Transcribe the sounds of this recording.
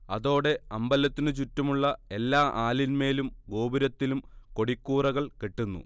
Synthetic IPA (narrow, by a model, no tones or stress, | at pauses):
ɐðo̞ːɽe̞ɐmbɐlːɐt̪ːinɨt͡ɕutːɐmuɭːɐe̞lːaːʔaːlinme̞ːlumɡo̞ːbiɾɐt̪ːilumko̞ɽikːuːrɐɣɐɭkeʈːunːṵ